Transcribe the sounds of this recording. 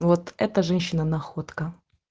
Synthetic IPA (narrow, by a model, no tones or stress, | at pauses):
vot̪ɛt̪əʐɛnʲɕːɪnənɐxot̪kə